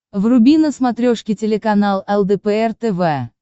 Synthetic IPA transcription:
vrʊbʲinəsmɐt̪ɾʲoʂkʲɪtʲɪlʲɪkɐnalˠɛlˠd̪ɛpɛɛrt̪ɛvɛ

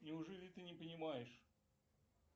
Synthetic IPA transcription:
nʲɪʊʐɛlʲɪt̪ɨnʲɪpənʲɪmajɪʂ

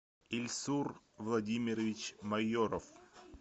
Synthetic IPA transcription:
ilʲsur | vlˠɐdʲimʲɪɾəvʲɪt͡ɕmɐjoɾəf

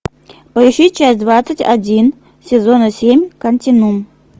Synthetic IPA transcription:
pɐiʂit̚ʲt͡ʃasʲtʲd̪vat̪sɨtʲa̰d͡zʲin | sʲezonɐsʲemʲkɐnʲtʲinum

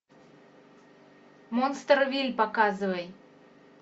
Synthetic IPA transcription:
monst̪rvʲilʲpakazɨvəj

